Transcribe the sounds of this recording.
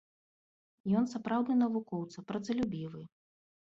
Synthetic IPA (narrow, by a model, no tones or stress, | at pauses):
jɔnsapɾawd̪nɨnɐvukɔwt̪sɐpɾɐd̪zɐlʲubʲivɨ